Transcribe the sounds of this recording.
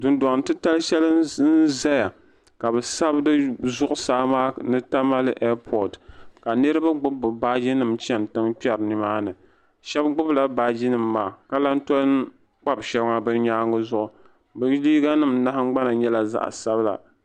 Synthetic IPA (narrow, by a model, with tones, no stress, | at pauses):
dʊ˨nda˨ŋ˨tɨ˦ta˦lɨ˦ʃɛ˦lɨ˦n̩˦za˦ja˨ | ka˨bɛ˨sa˦bdɨ˦zʊ˦ʔʊ˦saː˦maː˦nɨ˦ta˦ma˦lɨ˦ʔɛ˦pʰɔ˨dka˨nɨ˦ɾɨ˦ba˦ɡ͡bʊ˦bʊ˨baː˦d͡ʒi˦nɨ˨mt͡ʃɛ˦n˨tɨ˦ŋpi˦ɛ˦ɾnɨ˨maː˦nɨ˨ | ʃɛ˦bɡ͡bʊ˦bla˨baː˦d͡ʒi˦nɨ˨mːaː˨ka˦la˦n̩˦tɔ˦l | k͡pa˦bʃɛ˦bŋa˦bɨ˦ɲaː˦ŋʊ˦zʊ˦ʔʊ˨ | bɨ˦liː˦ɡa˦nɨ˦˨m˦na˦ha˦ŋ͡m̩˦ɡ͡ba˦na˨ɲɛ˦la˨za̰˦˨ʔsa˦bla̰˨